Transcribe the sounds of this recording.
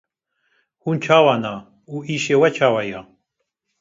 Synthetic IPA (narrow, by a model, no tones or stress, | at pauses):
hunt͡ʃʰawana | uiʃewɛt͡ʃʰawaja